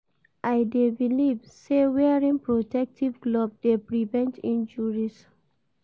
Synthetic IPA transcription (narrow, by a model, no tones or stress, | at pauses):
ʔajdevilivsewɛɹĩŋpɹotɛk̚tʰivɡlob̚depɹivɛ̃ntĩnd͡ʒuɹis